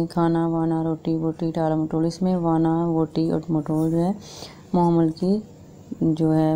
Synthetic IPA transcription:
ekʰaːnaʋaːnaɾoːʈiʋoːʈiʈaːlamoːʈoːlɪsmẽʋaːnaʋoːʈiɔ̰ːʈmoːʈoːld͡ʒoːɦɛ | mɔɦəməlki | d͡ʒoːɦɛ

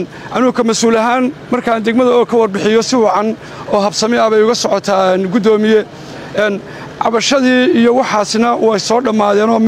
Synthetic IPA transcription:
n | ʔɐnuːkʰɐmɐsuːlɐɦaːnmɐrkʰaːnd̪ɛɡmɐðɐkʰɐwɐrbɪħɪjɔsɪwɑʕɑn | ɔːɦɐbsɐmɪɐβɛjʊɣɐsɔʕɔt̪ʰaːnɡʊd̪ɔːmɪjɛ | ɛːn | ʕɑβɐʃɐðiːijɔwɑħɑːsɪnɐwɛjsɔːɖɐmaːðɛːnɔː

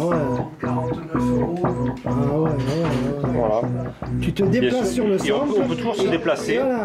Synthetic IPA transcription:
wɛ | t̪ | awɛwɛɛɛvwa̰lat̪yt̪əd̪eplasːyʁləsɔ̃ɔ̃pøt̪uʒuʁsəd̪eplasewala

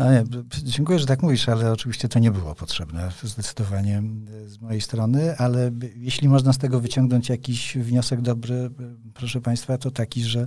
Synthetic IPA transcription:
nɔɲɛd͡ʑɛŋkujɛʐɛt̪akmuvʲiʂalɛɔt͡ʂɘvʲiɕt͡ɕɛt̪ɔɲɛbɘwɔ̰pɔtʂɛbnɛzd̪ɛt̪sɘ̥d̪ɔvaɲɛ | zmɔjejst̪ɾɔnɘʔalɛjeɕlʲimɔʐnast̪ɛɡɔvɘt͡ɕɔ̃ŋɡnɔɲt͡ɕjakʲiɕvɲɔsɛɡd̪ɔbɾɘ | pɾɔʂɛpaj̃st̪fat̪ɔt̪akʲiʐɛ

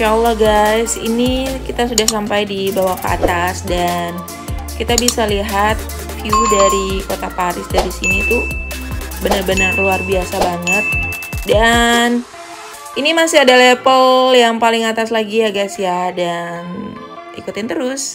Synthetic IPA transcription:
ʃalːaɡajsḭnikit̪asudahs̬ampajdibawahkə̰a̰t̪asdan | kit̪abisaliɦat̪̚ | fiudaɾikot̪apaɾɪsdaɾisinit̪u | bənarbənərluarbiasabaŋət̪̚dan | inimasɪadalepəljaŋpalɪŋat̪aslaɡijaɡajsjadan | ḭkut̪ɪnt̪əɾʊs

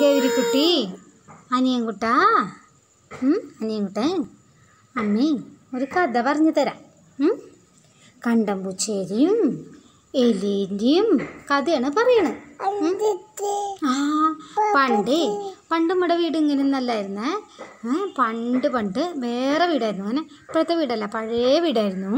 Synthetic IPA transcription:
eːʋiɾikːuʈːi | ɐɲijɐŋkuʈːaː | ɐɲijɐŋkuʈːɐ | ɐmːioɾukɐd̪ɐpɐrɐɲːɐt̪ɐɾa̰ | kɐɳɖɐmbut͡ɕːeːɾijum | elindijumkɐd̪ijaːɳɨpɐrɐjɐɳɨ | aːpɐɳɖɨpɐɳɖɨmɐɽɐʋiːɽuŋːɐnenɐlːaːjiɾunːɨ | pɐɳɖɨpɐɳɖɨʋeːreʋiːɽaːjiɾunːuŋːɐne | pːet̪ːɐʋiːɽɐlːapɐɻeʋiːɽaːjɾunːu

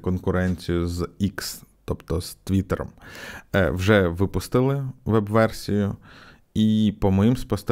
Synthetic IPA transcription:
kɔnkʊɾɛnʲt͡sʲijʊzikst̪ɔpt̪ɔz̥t̪ʋʲit̪eɾɔ̰m | wʒɛʋɪpʊst̪ɪlˠɪʋɛbʋɛrsʲijʊ | ipɔmɔjimspɔst̪

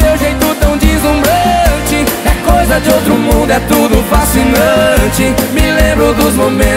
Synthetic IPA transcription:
ewʒejt̪ʊt̪ɐ̃w̃d͡ʒizũbɾɐt͡ʃɪɐkojzɐd͡ʒɪowt̪ɾʊmũnd̪ʊɛt̪ud̪ʊfasinɐ̃t͡ʃɪmɪlẽmbɾʊd̪ʊzmomẽ

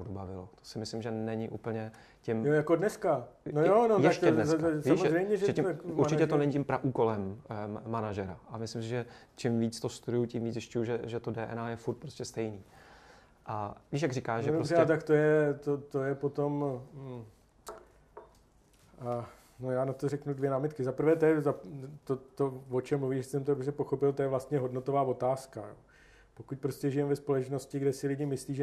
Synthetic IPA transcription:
adubavɪlot̪o̥sɪmɪslɪmʒɛnɛɲɪʔuːpl̩ɲɛ | cɪmjojakodnɛskanojonojɛaʃt̪ɛdnɛɛsiamorɛjmɲɛʒɛɛimuɾt͡ʃɪcɛt̪onɛɲɪcɪmpɾaʔuːkolɛmːanaʒɛɾaʔamɪslɪms̬ɪʒɛ | t͡ʃɪmviːt͡st̪ost̪udʊjucɪmviːt͡szɪʃcujuʒɛʒɛt̪odɛːʔɛ̰najɛfuɾt̪̚pɾoscɛst̪ɛjniː | ʔadɪʃ̬jaɡrɪkaːʃʒɛoɾzsɛat̪akt̪o̞jɛt̪ot̪ojɛpo̞t̪o̞m̩ | nojaːnat̪o̞rɛknudvjɛnaːmɪt̪kɪzapɾ̩vɛːt̪ojɛzat̪ot̪ovot͡ʃɛmːluviːʒɛsɛmt̪oɾobrɛpoxo̞pɪlt̪ojɛvlast̪ɲɛɦo̞dnot̪o̞vaːvo̞t̪aːskajo̰ː | po̞kuc̚pɾo̞scɛʒɪjɛmvɛspo̞lɛt͡ʃno̞scɪɡdɛsɪlɪɟɪmɪsliːʒɛ

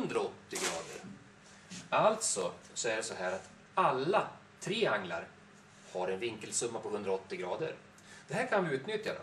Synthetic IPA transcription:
ɵnd̪ɾaɔt̪ːɪɡɾɑːd̪ə̰ɾ | alt̪sɔsɔæɖɛsɔɦæːɾat̪ | alːa | t̪ʰɾeːaŋːla̰ɾ | haɾɛnvɪŋkəlsɵmːapʰɔhɵnd̪ɾaɔt̪ːɪɡɾɑːd̪əɾ | d̪̥ɛɦæːɾkʰanvɪʉ̟ːt̪nʏt̪ja̰d̪ɔ̰m

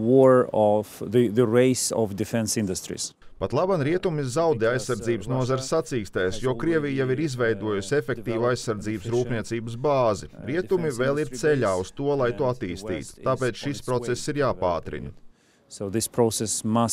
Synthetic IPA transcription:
wɔɹɔvðiðəɹeɪsɔ̰vdɪfɛ̃nsɪ̃ndust̪ɾḭspat̪lˠabanɾiɛt̪umizawd̪ɛajsːaɾd̪ziːbəsnuɔzaɾɪsːat̪siːkst̪eːsjuɔkɾiɛvʲijjaʋiɾizʋɛjd̪uɔjusʲefʲek̚t̪iːʋajsːaɾd̪ziːbəsɾuːpniɛt̪siːbəsbaːziɾiɛt̪umiveːlˠiɾt̪sɛʎʲaːust̪uɔlˠajt̪uɔat̪iːst̪ḭːt̪u̥t̪aːpeːt̪sʃispɾɔt̪ɛsːiɾjaːpaːt̪ɾḭn | soʊðɪspʰɾosɛsmas

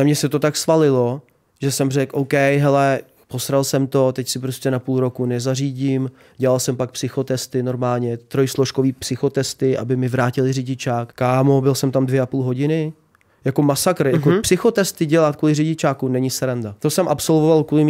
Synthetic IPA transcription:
ɛmɲɛsɛt̪ot̪aksvalɪlo̞ | ʒɛsɛmrɛkʔowkɛjɦɛlɛ | po̞sɾalsɛmt̪o̞t̪ɛcsɪpɾoscʲɛnapuːlɾo̞kunɛzariːɟim | ɟɛlalsɛmpak̚psɪxo̞t̪ɛst̪ɪno̞ɾmaːlɲɛt̪ɾo̞jsloʃko̞viːpsɪxot̪ɛst̪ɪʔa̰bɪmɪvɾaːcɪlɪrɪɟɪt͡ʃaːkkːaːmobɪlsɛmt̪amdvjɛʔapuːlɦo̞ɟɪnɪ | jakomasakɾjakopsɪxo̞t̪ɛst̪ɪɟɛlat̪̚kuːlɪrɪɟɪt͡ʃaːkunɛɲɪsɛɾandat̪osɛmʔapso̞lvovalkuːlɪm

